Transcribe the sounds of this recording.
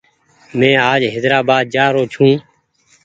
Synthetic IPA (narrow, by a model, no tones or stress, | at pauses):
mɛ̃ːaːd͡ʒɦeːd̪ɾaːbaːd̪̚d͡ʒaːɾoːt͡ʃʰũː